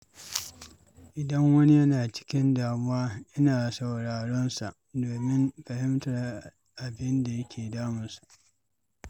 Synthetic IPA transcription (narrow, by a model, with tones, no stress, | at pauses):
ʔɪ˨dɐ˦ŋwɐ˦ni˦jɐ˦naː˨t͡ʃɪ̥˦kʲɪ˦ndaː˨mʊ˦waː˦jɐ˦naː˨sɐ˨wɽaː˨ɽɔ˦nsa˨ʔdoː˨mɪ˦mɸɐ˨ɦɪ˦mtɐ˨r | ʔa˨bɪ˦nda˨jɐ˦kʲʰeː˨daː˦mʊ˨nsu̥˨ʔ